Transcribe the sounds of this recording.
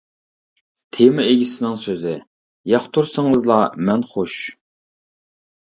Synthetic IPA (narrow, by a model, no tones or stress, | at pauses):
t̪ʰemɨeɡʲisɪnɪŋsøzɪ | jɑχt̪ʰuɾsəŋəzlˠɑmɛnχoʃ